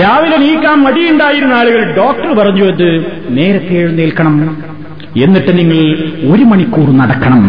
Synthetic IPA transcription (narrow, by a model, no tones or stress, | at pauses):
ɾaːʋilɐniːkːaːmmɐɽijuɳɖaːjiɾunːaːɭuɣɐɭɖoːk̚ʈɐrpɐrɐɲːuʋend̪ɨne̞ːɾɐt̪ːeːɻunːeːlkːɐɳɐm | enːiʈːɨniŋːɐɭo̞ɾumɐɳikːuːrunɐɽɐkːɐɳɐm